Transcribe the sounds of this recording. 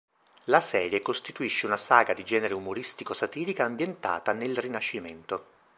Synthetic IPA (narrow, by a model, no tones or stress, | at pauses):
lasɛːɾjekost̪it̪uiʃːeunasaːɡad̪id͡ʒɛːneɾeumoɾist̪ikosat̪iːlikaːmbjent̪a̰ːt̪anelrinaʃːiment̪o